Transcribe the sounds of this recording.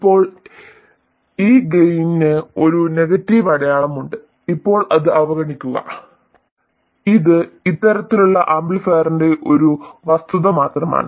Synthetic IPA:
ipːo̞ːɭ | iːɡejininɨo̞ɾune̞ɣɐtːiʋɐɽɐjaːɭɐmuɳɖɨ | ipːo̞ːɭʔɐðɨɐʋɐɣɐɳikʲːuɣɐ̰ | iðɨit̪ːɐɾɐt̪ːiluɭːɐʔaːmbilfeːrinde̞ʔo̞ɾuʋɐst̪uðɐmaːt̪rɐma̰ːɳɨ

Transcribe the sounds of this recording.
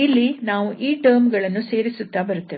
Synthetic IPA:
ilːinaːʋuʔiːʈɐːɾmɡɐɭɐnːuse̞ːɾisut̪ːaːbɐɾut̪ːɐʋe

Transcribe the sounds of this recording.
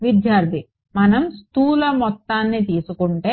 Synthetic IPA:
ʋid̪jaːɾt̪i | mɐnɐmst̪uːlɐmɔt̪ːaːnːit̪̬iːsukuɳʈe̞ː

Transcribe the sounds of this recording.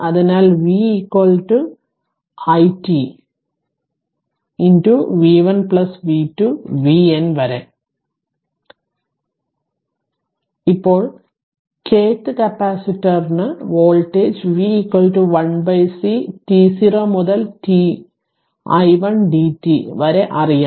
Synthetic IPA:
ɐðinaːlʋiiːkwɐlʈu | ɐjti | intuʋiːʋɐnpɭɐsʋiːtuʋienʋɐɾe | ipːo̞ːɭ | kʰeːtːɨkɐpːaːsitːɐrnɨʋo̞ːlʈeːd͡ʑʋiːkwɐlʈuʋɐɳbɐjsitiːsiroːmuðɐlti | ɐ̰jʋɐɳɖiːtːiʋɐɾe̞ʔɐrija

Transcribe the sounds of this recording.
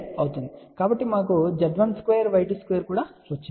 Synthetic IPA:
ɐwut̪und̪ikaːbɐʈːimaːk̬ud͡ʒɐɖʋɐnskʋejɐɾʋɐjʈ̬iskʋeːɐɾkuːɽaːʋɐt͡ʃːi

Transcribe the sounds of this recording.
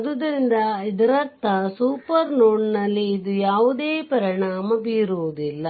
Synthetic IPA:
d̪ud̪ɐɾind̪ɐid̪ɐɾɐɾt̪ʰːɐsuːpɐɾnoːɳnɐlːiːd̪ujaːʋud̪eːpɐɾiɳaːmɐbiːɾuʋud̪ilːɐ

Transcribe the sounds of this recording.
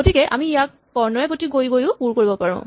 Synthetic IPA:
ɡotikɛʔa̰miijakːɔɹnɔɛpotiɡojɡojʊ̃puɹkoɹibɔpaɹʊ̰̃

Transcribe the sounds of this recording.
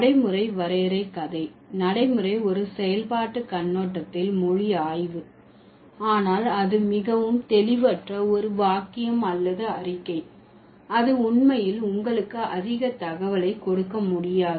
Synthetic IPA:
nɐɽɐɪmɯrɐɪʋɐɾeːɾɐɪkɐðɐɪ | nɐɽɐɪmɯɾɐɪɔɾɯsɛjɐlpaːʈːɯkɐnːoːʈːɐt̪ːɪlmʊɻɪjaːjʋɯ | aːnaːlɐðɯmɪɣɐʋɯmt̪ɛlɪʋɐʈrɐɔɾɯʋaːkɪjɐmɐlːɐðɯɐrɪkːɐɪ | ɐðɯʊɳmɐjɪlʊŋɡɐɭɯkːɯʔɐ̰ðɪɣɐt̪ɐɣɐʋɐlɐɪkːɔɽɯkːɐmʊɽɪjaːð

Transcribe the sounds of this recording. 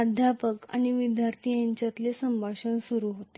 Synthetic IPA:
ad̪ʱapəka̰ɽ̃iʋid̪ʱjaɾt̪ʰijaɲt͡ɕat̪lesəmbʱaɕənsuɾuɦot̪e

